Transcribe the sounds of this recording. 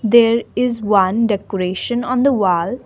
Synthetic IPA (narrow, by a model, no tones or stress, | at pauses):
d̪eɾɪzʋʌ̃nɖɛkɔɾeːʃə̃nɔ̃nd̪əʋɔːl